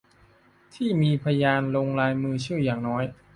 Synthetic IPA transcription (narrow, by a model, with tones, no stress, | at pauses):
t̪ʰiː˥˩miː˧pʰa˧jaː˧nloː˧ŋlaː˧jmɯː˧t͡ɕʰɯː˥˩jaː˨˩ŋnɔː˦˥j